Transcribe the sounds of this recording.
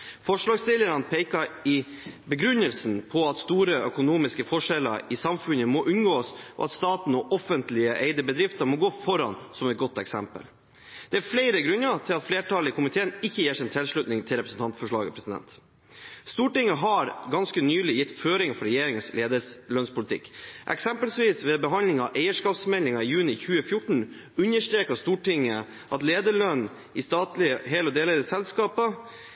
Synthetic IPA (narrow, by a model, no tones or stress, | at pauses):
fɔʂɭɑːɡst̪ɪləɾɑnpʰeɪkɑɪbəɡɾʉnːəlsnpʰɔɑt̪st̪uːɾəœkʊnuːmɪskəfɔʂɛlə̰ɾɪsɑmfʉnəmɔʔʉnɡoːsʔɔ̰ɑt̪st̪ɑːt̪n̩ɔʔɔfənt̪lɪəʔeɪd̪əbəd̪ɾɪft̪əɾmɔɡoːfɔɾɑ̰nsɔmɛt̪̚ɡɔt̪ːɛksɛmpə̰l | d̪̥ɛæɾfleɪɾəɡɾʉnət̪ʰɪlɑt̪fleːʈʰɑːlɪkʰʊmɪt̪ʰeːnɪçːəjeːʂɪnt̪ʰɪlʂɭʉt̪nɪŋt̪ʰɪlɾɛpɾəsn̩t̪ɑnt̪fɔʂɭɑ̰ːɡəpʰɾɛsɪd̪ɛ̰nt̪ | st̪uːʈɪŋːəɦɑɾɡɑnskənyːlɪjɪt̪ːføːɾɪŋfɔɾɛjeːɾɪŋənsleːd̪əlœnspʰʊlɪt̪ʰɪ̰kːʔɛ̰ksɛmpəlsʋiːsʋɛbəɦɑnlɪŋɑʔæɪəʂkɑːpsmɛlɪŋɑɪjʉːnɪçʉːəfjʊʈɳ̩ | ʉnːəʂʈ̪ɾeːkɑst̪uːʈɪŋːə | ʔɑt̪leːd̪əɭœnː | ɪst̪ɑːt̪lɪəɦeːlɔd̪eːləɾəsɛlskɑːpə